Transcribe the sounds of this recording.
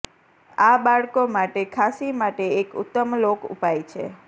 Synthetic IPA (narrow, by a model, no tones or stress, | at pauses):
abaɭkomaʈekʰasimaʈeːkʊ̰t̪ːəmlokṵpajt͡ʃʰḛ